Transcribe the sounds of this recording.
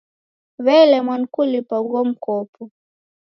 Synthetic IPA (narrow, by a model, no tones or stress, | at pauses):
βɛlɛmwankulipaɡɔm̩kɔpɔ